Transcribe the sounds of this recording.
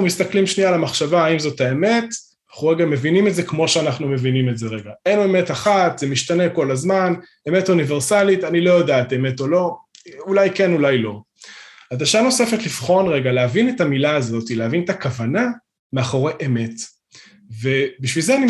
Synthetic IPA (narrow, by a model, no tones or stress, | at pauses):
numist̪aklimʃnialamaχʃavaːimzo̞taeme̞t | aχuʁeɡame̞vinimetzekmo̞ʃeanaχnume̞vinimetze̞ʁeɡaejnoeme̞taχat̪z̥emiʃt̪ane̞ko̞lazman | e̞metonive̞ʁsalitanilo̞jodaːteme̞to̞lo̞ulajke̞nulajlo̞ | hadaʃano̞se̞fet̪lifχo̞nʁe̞ɡaleavinetamilaːzo̞tileavinetakavana | meaχo̞ʁeʔeme̞t | vebiʃvilzeani